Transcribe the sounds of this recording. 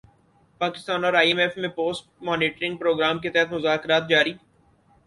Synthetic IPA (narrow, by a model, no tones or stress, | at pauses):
paːkɪst̪aːnɔːɾaːiemeːfmẽpoːsʈmɔːniːʈɾɪ̃ŋɡ̚pɾoːɡɾaːmket̪ɛɦət̪mʊzaːkɾaːt̪̚d͡ʒaːɾiː